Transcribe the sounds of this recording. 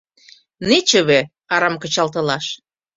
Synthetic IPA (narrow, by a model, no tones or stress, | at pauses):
net͡ɕə̆βe | ɑɾɑmkə̆t͡ɕɑlt̪ɤ̆lɑʃ